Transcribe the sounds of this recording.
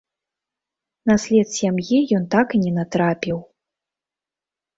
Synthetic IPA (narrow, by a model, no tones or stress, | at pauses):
nasʲlʲɛt̪sʲamjijɔnt̪akinʲɛnat̪ɾapʲiw